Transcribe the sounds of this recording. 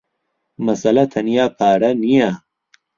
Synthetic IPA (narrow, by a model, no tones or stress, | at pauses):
mɐsɐlɐt̪ʰɐnijaːpʰaːɾɐnijɐ